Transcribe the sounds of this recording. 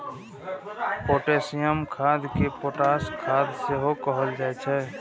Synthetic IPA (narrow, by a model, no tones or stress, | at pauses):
poːʈeːsijəmkʰaːd̪kepoʈaːskʰaːd̪seɦokəɦəld͡ʒaːɛt͡ʃʰɛː